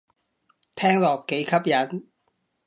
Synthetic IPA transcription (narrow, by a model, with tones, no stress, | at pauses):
t̪ʰɛː˥ŋlɔː˨kːe˨˥jkʰɐ˥p̚jɐ˨˥n